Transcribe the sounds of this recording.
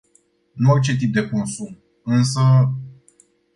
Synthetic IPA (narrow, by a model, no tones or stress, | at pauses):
nuort͡ʃet̪̬ip̚d̪e̞konsum | ɨnsə